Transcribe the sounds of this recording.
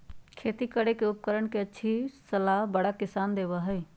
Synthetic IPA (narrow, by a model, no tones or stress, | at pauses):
kʰet̪ikəɽekeup̚kəɾəɳkeətːʃʰisəlaɦbəɽakɪsand̪eβəɦəɪ